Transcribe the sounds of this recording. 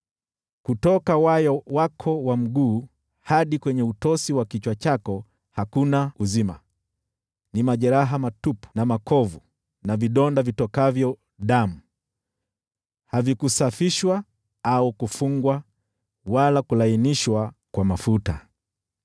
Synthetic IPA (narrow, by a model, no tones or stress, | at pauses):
kutɔkawajɔwakʰɔwam̩ɡuː | haɗikwɛɲɛutɔsiwakit͡ʃwat͡ʃakɔ | hakunauzima̰ | nimaʄɛɾaɦamatupu̥namakʰɔvu | naviɗɔndavitɔkavjɔ | ɗamu | havikusafiʃwa | aukufuŋɡwa | walakulainiʃwakwamafuta̰